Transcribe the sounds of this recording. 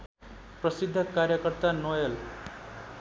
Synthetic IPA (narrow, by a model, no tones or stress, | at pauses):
prʌsid̪ʱːʌkaɾjʌkʌrt̪anojʌl